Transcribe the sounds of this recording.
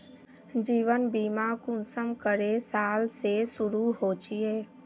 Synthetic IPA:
d͡ʒiːʋənbiːmakʊnsəmkəɾesaːlsesʊɾuɦoːt͡ʃieː

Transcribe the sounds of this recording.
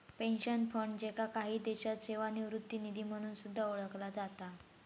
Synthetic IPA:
penɕənfəɳd͡ʑekakaɦiːd̪eɕat̪seʋaniʋɾut̪ːiːnid̪ʱiːm̤əɽ̃uːnsud̪ʱːaoɭəklad͡zat̪a

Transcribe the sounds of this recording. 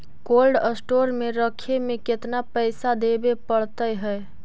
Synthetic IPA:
kolɖəsʈoɾmeɾəkʰemeket̪napəɪsad̪ebepəɽt̪əjɦəj

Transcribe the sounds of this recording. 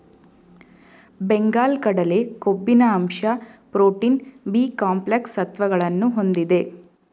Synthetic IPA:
beŋɡaːlkɐɽɐle̞kobːinɐːmʃɐpɾoːʈiːnbiːkaːmpleksɐt̪ʋɐɡɐɭɐnːuɦo̞nd̪id̪e̞

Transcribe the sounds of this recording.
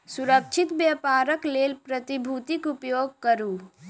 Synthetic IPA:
suɾək̚t͡ʃʰit̪bjapaːɾəklelpɾət̪ibʱut̪ikupjoɡ̚kəɾu

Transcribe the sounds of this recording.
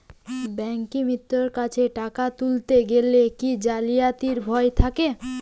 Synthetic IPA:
bɛŋkimit̪ːoɾkat͡ɕʰeʈakat̪ult̪eɡelekid͡ʑalijat̪iɾbʱɔet̪ʰake

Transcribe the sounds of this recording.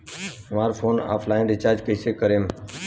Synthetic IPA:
maːɾfʰoːna̰ːpʰlaːɪnɖɪt͡ʃaːɾd͡ʒkəːseːkəɾẽːm

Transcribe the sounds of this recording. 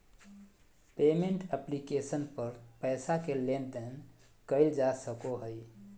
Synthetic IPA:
pemeɳʈəplikesənpəɾpəjsakelend̪ən | kəɪld͡ʒasəkoɦəj

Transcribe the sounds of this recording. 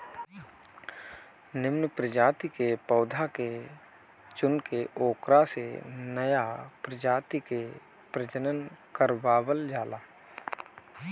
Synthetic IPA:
nɪmnəpɾəd͡ʒaːt̪ikepəːd̪ʱake | t͡ʃʊnkeʔoːkɾasenəjapɾəd͡ʒaːt̪ike | pɾəd͡ʒənənkəɾbaːwəld͡ʒaːlaː

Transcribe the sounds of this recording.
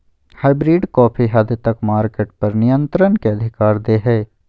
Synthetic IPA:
haːɪbɾiːɖkɔːpʰiɦɐd̪t̪ɐkmaːɾkeːʈpɐɾnɪjə̃nt̪ɾənkeɐd̪ʱɪkaːɾd̪eːɦɛː

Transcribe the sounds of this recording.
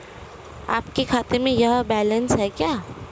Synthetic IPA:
a̰ːpkekʰaːt̪emẽjɐɦbɛːlənsɦɛkjaː

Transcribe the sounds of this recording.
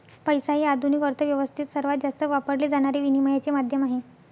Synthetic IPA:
pəjsajiːad̪ʱunikəɾt̪ʰəʋjəʋəst̪ʰit̪səɾʋat̪̚d͡zast̪əʋapəɾled͡zaɽ̃aɾeʋiniməjat͡semad̪ʱjəmaɦe

